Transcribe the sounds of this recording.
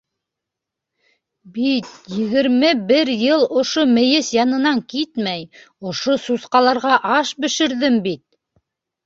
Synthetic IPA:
bit̪jɘ̆ɣɘ̆ɾmɘbɘɾjɤlˠŏʃomɘ̆jɘsjɑnɤ̆nɑŋkit̪mæj | ŏʃosusqɑlˠɑɾʁɑʔɑʃbɘ̆ʃɘ̆ɾðɘmbit̪̚

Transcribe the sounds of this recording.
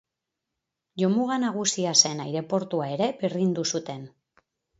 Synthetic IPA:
ʎo̞muɣanaɣ̞usiase̞najɾe̞po̞ɾt̪uae̞ɾe̞beɾðind̪usut̪e̞n

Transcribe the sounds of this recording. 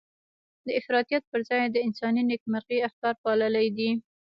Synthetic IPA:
d̪əɪfɾɑt̪ijat̪̚pəɾzɑjd̪əɪnsɑninekmaɾɣiaxt̪ɑɾpɑləlajd̪i

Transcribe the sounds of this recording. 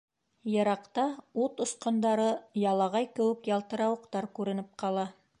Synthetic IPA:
jɤ̆ɾɑqt̪ɑut̪ŏsqŏnd̪ɑɾɤjɑlˠɑʁɑjkɘ̆wɘ̆kjɑlˠt̪ɤ̆ɾɑwɤ̆qt̪ɑɾkʉɾɘ̆nɘp̚qɑlˠɑ

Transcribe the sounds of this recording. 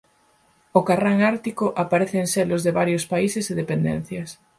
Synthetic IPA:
ʊkaraŋaɾt̪ikʊʔapaɾeθeːnselʊzðeβaɾjospaiseseð̞epend̪ḛn̟θjɐs

